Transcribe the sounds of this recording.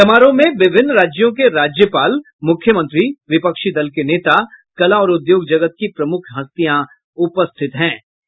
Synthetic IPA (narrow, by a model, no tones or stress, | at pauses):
ɐmaːɾõmẽʋɪbʱɪnːɾaːd͡ʒjõkeɾaːd͡ʒjəpaːl | mʊkʰjəmə̃nt̪ɾiʋɪpəkʃid̪ɐlkeneːt̪a | kɐlaɔːɾʊd̪joːɡd͡ʒɐɡət̪̚kipɾɐmʊkʰɦɐst̪ijã | ʊpəst̪ʰɪt̪ɦɛ̃ː